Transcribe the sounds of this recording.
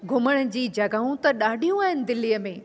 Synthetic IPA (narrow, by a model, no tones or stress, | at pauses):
ɡʱʊməɽ̃ə̆d͡ʑiːd͡ʑɐɡaːũt̪ɐɗaːɖʱijũaːɦɪnɪ̆d̪ɪlːijəmẽː